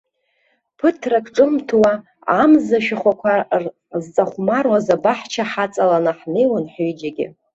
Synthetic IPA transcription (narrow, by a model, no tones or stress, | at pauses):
pʰɨtʰrakʰʼʈ͡ʂʼɨmtʰwa | amzaʃᶣaχʷakʷʰar | zt͡sʼaχʷmarwazabaħt͡ʃʰaħat͡sʼalanaħnejwanħid͡ʒaɡʲɪ̰